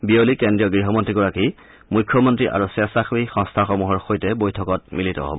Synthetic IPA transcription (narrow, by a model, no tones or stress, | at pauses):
biolikendɹijɔɡɹiɦɔmɔntɹiɡɔɹaki | mujkʰːjɔmɔntɹiʔa̰ɹusɛsaxixɔ̃ŋstʰaxɔmuɦɔɹxojtɛbojtʰɔkɔt̚militɔ̰ɦo̰bɔ̰